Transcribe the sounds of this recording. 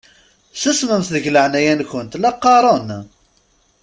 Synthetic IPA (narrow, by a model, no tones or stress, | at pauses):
səsməmθðəʝləʕnæjænkʷənt̪lɑqːɑɾˤən